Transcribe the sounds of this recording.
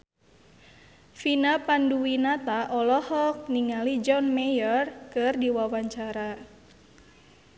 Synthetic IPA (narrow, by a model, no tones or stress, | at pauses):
finapanduwinat̪aʔɔlɔhɔk̚niŋalid͡ʒɔnmɛjɔrkɨrdiwawaɲt͡ʃaɾa